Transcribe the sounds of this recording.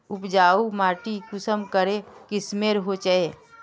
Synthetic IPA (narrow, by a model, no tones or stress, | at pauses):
ʊpd͡ʒaːumaːʈikʊsəmkəɾekismeːɾɦot͡ʃae